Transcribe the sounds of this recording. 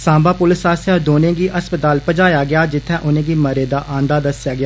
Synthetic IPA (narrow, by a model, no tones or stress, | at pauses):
sãːmbaːpʊlɪsaːsɔɾd̪oːnẽːɡiːʔəspət̪aːlpəd͡ʒaːjaːɡɪaːd͡ʒɪt̪ʰːɛ̃ːʔʊnẽːɡiːməɾeːd̪aːʔãːnd̪aːd̪əsɪjaːɡɪjaː